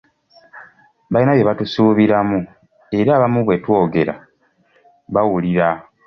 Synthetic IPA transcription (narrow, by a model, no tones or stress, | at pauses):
βainaβjeβatusuːβiɾamu | e̞ɾaːβamuβwe̞two̞ːɡe̞ɾa̰ | βawuliɾa